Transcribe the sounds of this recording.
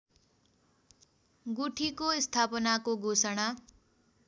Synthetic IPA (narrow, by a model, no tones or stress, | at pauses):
ɡuʈʰikoist̪ʰapʌnakoɡʱosaɽ̃a